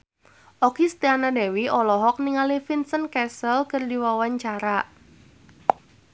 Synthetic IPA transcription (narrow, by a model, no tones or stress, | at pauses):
ʔɔkist̪ianadewiɔlɔɦɔk̚niŋalifinsənkɛsəlkərdiwawaɲt͡ʃaɾa